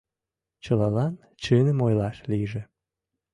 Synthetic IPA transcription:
t͡ɕəlɑlɑn | t͡ɕɨnəmojlɑʃliʒe

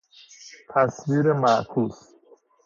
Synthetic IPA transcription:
t̪ʰæsviːɾemæʔkʰuːs

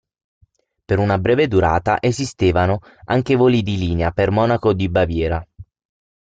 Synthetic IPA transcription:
peɾunabɾɛːved̪uɾa̰ːt̪a̰ʔezist̪eːvano | aŋk̟evoːlid̪iliːneapermɔːnakod̪ibavjɛːɾa

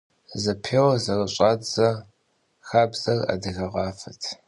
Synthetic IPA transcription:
zɐpʰeːwɐzɐrɨɕʼaːd͡zɐ | xaːbz̥ɐrɐ̰dɨɣɐʁɑːfɐtʰ

